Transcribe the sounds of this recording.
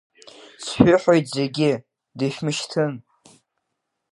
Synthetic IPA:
t͡sʰħʷᶣʏħojtʰʼzeɡʲɪ | dɨʃʲᶣmɨʃtʰɨn

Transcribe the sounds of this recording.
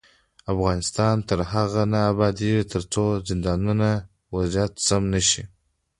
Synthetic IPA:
afɣɑnɪst̪ɑnt̪əɾɦaɣanaabɑd̪it̪ʰəɾt͡sozɪnd̪ɑnuna | wazjat̪samnəʃi

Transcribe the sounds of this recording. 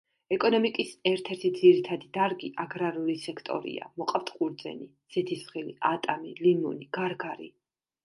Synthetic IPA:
ɛkʼɔnɔmikʼisɛɾt̪ʰɛɾt̪ʰid̪ziɾit̪ʰad̪id̪aɾɡiʔaɡɾaɾulisɛkʰt̪ʼɔ̰ɾḭa̰mɔqʼapt̪ʰqʼuɾd̪zɛ̰ni | z̥ɛt̪ʰisχiliʔat̪ʼamilimuniɡ̥aɾɡaɾḭ

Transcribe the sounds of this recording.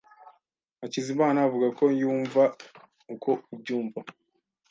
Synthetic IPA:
acizimaːnaːvuɡako̞juːɱva | ukʰo̞ubɟuːɱva

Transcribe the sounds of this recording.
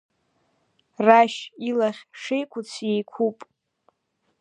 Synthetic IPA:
raʃilaχʲʂejkʷʰʊt͡sʰjejkʷʰupʼ

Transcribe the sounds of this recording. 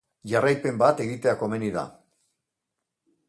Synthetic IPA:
ʝarajpe̞mbat̪e̞ɣit̪e̞ako̞me̞niða̰

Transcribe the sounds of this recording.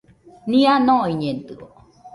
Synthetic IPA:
nĩanõiɲent̪ɯo̰

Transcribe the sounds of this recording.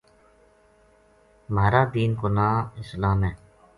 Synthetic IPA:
maːɾaːd̪iːnkonaːɪslaːmɦɛː

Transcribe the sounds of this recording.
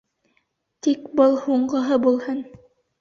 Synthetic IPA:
t̪ikbɤlˠhuɴɢɤ̆ɦɤbulˠhɤn

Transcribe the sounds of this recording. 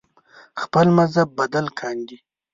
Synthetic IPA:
xpəlmazabːad̪alkʰɑnd̪i

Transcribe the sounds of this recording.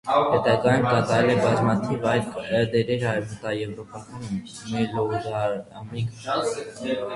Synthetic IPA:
hɛt̪ɑɡɑjumkɑt̪ɑɾɛlɛbɑzmɑt̪ʰivɑjld̪ɛɾɛɾhɑɛvət̪ɑjɛvɾɔpɑkɑnm | mizɔzɑɑmik

